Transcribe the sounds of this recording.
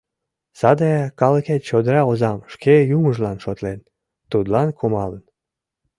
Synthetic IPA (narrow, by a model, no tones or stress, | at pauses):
sɑd̪ɑɑkɑləket̪t͡ɕod̪ɾɑozɑmʃkejuməʒlɑnʃot̪len | t̪ud̪lɑnkumɑlən